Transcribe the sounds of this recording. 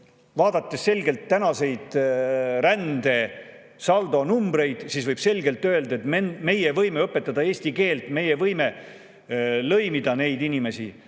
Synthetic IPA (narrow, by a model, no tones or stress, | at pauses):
vɑːd̪̥ɑt̪ːesːe̞lʲɡe̞lt̪ːænɑse̞jd̪̥ɾænd̪e̞ | sɑld̪o̞numbɾe̞jd̪̥siːsvɤjb̥se̞lʲɡe̞lt̪ːˑø̞eld̪ɑet̪eme̞jevɤjme̞ɤpːˑe̞t̪ːˑɑd̪ɑe̞ːsʲt̪ike̞ːlt̪me̞jevɤjme | lɤ̞jmid̪ɑne̞jd̪inʲime̞sḭ